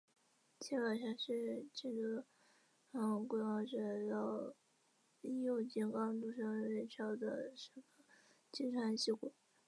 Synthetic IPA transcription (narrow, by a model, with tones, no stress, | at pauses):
t͡ɕʰɛ˥kɑ˨˩ɕja˥˧ʂɻ̩˥˧ʈ͡ʂɤ˥˩ɡə˩ | ə˥˩kwe˥˩wɑ˥˩ʈ͡ʂə˥˩jɑ˥˩ʊ | i˥˩jo˥˩t͡ɕi˧˥˩nkɑ˥ŋt̪u˥˧ʂɑ˥˧ɻe˥˩ɪʈ͡ʂʰjɑ˥˩ʊd̪ə̰˨ʂə˥ɡə˧ | t͡ɕi˥ʈ͡ʂʰwa˥nɕi˥˩kwe˨˩˦